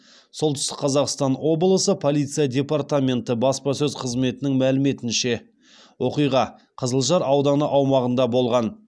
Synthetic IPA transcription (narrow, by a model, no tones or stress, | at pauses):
so̞lˠt̪ʏ̥st̪ɪ̥k̚qʰɑzɑqst̪ɑnwo̞blˠəsəpʰo̞lijt̪sɨjadʲe̞part̪amʲe̞nt̪əbɑspɑsɵzqʰəzme̞t̪ɪnɪŋmælɪme̞t̪ɪnʃe̞ | wo̞qijʁɑ | qʰəzəlˠʒɑɾɑwd̪ɑnəʔɑwmɑʁənd̪ɑbo̞lˠʁɑn